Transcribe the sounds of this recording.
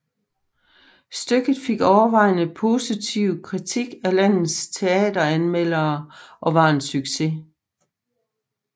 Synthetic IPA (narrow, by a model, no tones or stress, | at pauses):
sd̥øɡ̥ð̩ˠfe̝ɡ̥ɒʊɐʋɑ̈ɪ̰nəpʰo̝ːsit͡sʰiʊkʰʁit͡sʰiɡ̥ælæn̰ð̩ˠst͡sʰe̝ɛ̰ːd̥ɐænmel̰ɐːʔɒ̽ʋɑ̈e̝nsyɡ̥se̝